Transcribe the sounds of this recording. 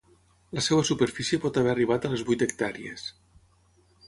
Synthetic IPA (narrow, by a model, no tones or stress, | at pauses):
ləsewəsupeɾfisiepɔt̪aβɛariβ̞at̪əlezβujt̪ək̚t̪aɾḭḛs